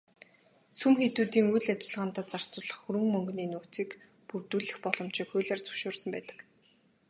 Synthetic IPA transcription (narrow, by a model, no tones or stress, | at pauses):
sumxet̪uːt̪iːŋujɮat͡ɕɪ̆ɮʁaːnt̪aːt͡sar̥t͡sʊ̆ːɮə̆χxuɾɘ̆ŋmœŋɡniːnuːt͡siːk | purt̪uːɮɘ̆xpɔɮɞ̆m̥t͡ɕiːkxʊːɮaːrt͡sɔ̥wʃʊːrsə̆mpæːt̪ə̥̆k